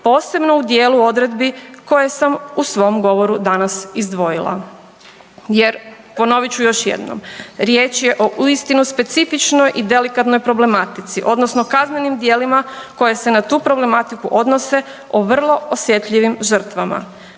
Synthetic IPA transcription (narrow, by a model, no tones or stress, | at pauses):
po̞ːse̞bno̞ud̪je̞ːluo̞d̪ɾe̞d̪biko̞jesamusʋo̞mɡo̞ʋo̞ɾud̪anasizd̪ʋo̞jilˠa̰ | jeɾ | po̞no̞ʋit͡ɕujo̞ʃjḛd̪no̰mɾjeːt͡ʃje̞ʔo̞ʔuist̪inuspe̞t̪sifit͡ʃnojʔid̪e̞likat̪nojpɾo̞ble̞mat̪it̪siʔo̞d̪nosnokazne̞nimd̪je̞ːlimako̞jese̞nat̪uːpɾo̞ble̞mat̪ikuʔo̞d̪no̞se̞ | oʋr̩lˠo̞osje̞t̪ʎiʋimʒr̩t̪ʋama̰